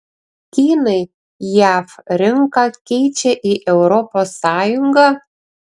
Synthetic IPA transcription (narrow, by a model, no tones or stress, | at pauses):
kʲinɨ | jɑfrʲɪŋkɑkʲejt͡ɕeʔiʔewɾoposːɑjuŋɡɑ